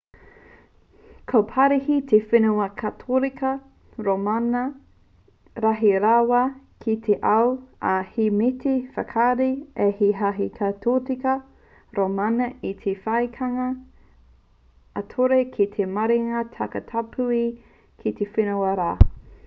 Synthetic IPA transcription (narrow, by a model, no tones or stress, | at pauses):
kʰopʰɐɾihit̪ʰefinuɐkʰɐtʰoɾikʰɐ | ɾomanɐ | ɾaɦiɾawa | kʰit̪ʰeʔɐwɐhimitʰifɐkʰaɾiehiɦaɦikʰɐt̪ʰotikɐ | ɾomanɐʔit̪ʰefɐjkʰɐŋɐ | tʰoɾekʰit̪ʰemɐɾiŋɐtʰɐkɐtʰapʰui | kʰit̪ʰefinuɐɾaː